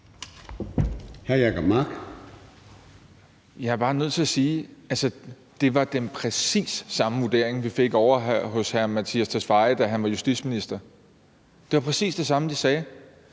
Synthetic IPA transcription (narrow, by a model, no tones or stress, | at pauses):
hæɐjækɒb̥̚mɑɡ̥ | jɑ̈æɐb̥ɑ̈ːnøð̰ˠt͡sʰe̝ɐsiːælsə | d̥e̝ʋɑ̈d̥enpʰʁɛsḭːsːɑ̈məʋud̥e̝ɐ̰eŋʋife̝ɡ̥ɒʊɐɦɦɔ̽shæɐmæt͡sʰḭæst͡sʰæsfɑ̈ɪd̥æɦænʋɑ̈jusd̥i̥sminisd̥ɐ | d̥e̝ʋɑ̈pʰʁɛsḭːsd̥e̝sɑ̈məd̥isɛː